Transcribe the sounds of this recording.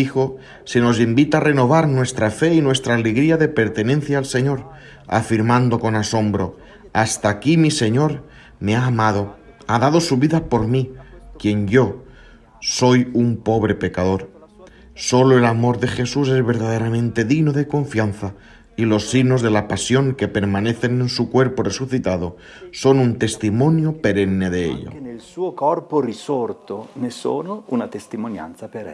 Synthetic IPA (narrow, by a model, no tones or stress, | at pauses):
ixo̞ | se̞no̞s̬imbit̪aare̞no̞β̞aɾnwe̞st̪ɾafe̞inwe̞st̪ɾaːleɣɾiaðe̞pe̞ɾt̪e̞nẽ̞nθjaːlse̞ɲo̞ɾ | a̰fiɾmãnd̪o̞ko̞naso̞mbɾo̞ | ast̪aːkimise̞ɲo̞ɾ | me̞aːmaðo | aðaðo̞suβiðapo̞ɾmikje̞ɲɟ͡ʝo̞ | so̞jumpo̞βɾe̞pe̞kað̞o̞ɾ | so̞loelamo̞ɾðe̞xe̞sus̬ezβe̞ɾðaðeɾamẽnt̪e̞ðiɣnoðeko̞ɱfjanθa | ilo̞sːiɣno̞zðe̞lapasjo̞ŋke̞pe̞ɾmane̞θe̞nensukwe̞ɾpore̞suθit̪aðo | so̞nunt̪e̞st̪imõ̞njope̞ɾe̞nːeðeḛʎo̰nelsuːokɔrporisoɾt̪oneso̰ːnounat̪est̪imonja̰nt̪sapeɾɛ̰